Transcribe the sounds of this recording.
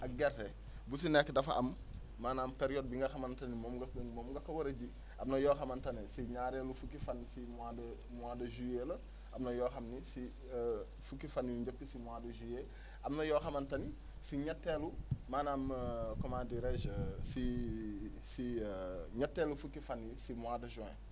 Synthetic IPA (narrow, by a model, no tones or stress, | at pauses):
ʔɐɡɛɾtɛ | bus̬inɛkːdɐfaʔɐmː | aːnaːmpeɾijɔːd̚biŋɡɐxɐmɐntɐnimɔːmɡmɔːmɡɐkɐwoɾeɟi | ʔɐmnɐjɔːxɐmɐntɐnɛsiɲaːɾelufukifanːsimadɐ | mwadɐʒujelɐ | ʔɐmnɐjɔːxɐmnisi | fukifanːiuɲd͡ʒəp̚tisimwadɐʒuje | ʔɐmnɐjɔxɐmɐntɐni | siɲɐtːelumaːnaːmkɔmadiɾɛʒsi | siɲɐtːelufukifanisimuadɐʒɔ̃ɛ̰̃